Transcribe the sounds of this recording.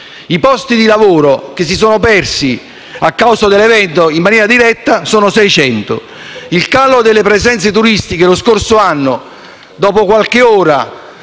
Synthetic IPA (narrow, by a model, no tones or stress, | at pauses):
ipɔst̪id̪ilavoːɾok̟es̬ːis̬oːnʊpɛrsi | akːawsad̪elːɛvɛnt̪oimːanjɛːɾad̪iɾɛt̪ːasoːnʊsɛjt͡ʃɛnt̪ʊ̰ | ilkalod̪elːepɾɛzɛnt̪set̪̬uɾist̪ikeloskorsʊanːʊ | d̪ɔːpokwalkɪɔːɾa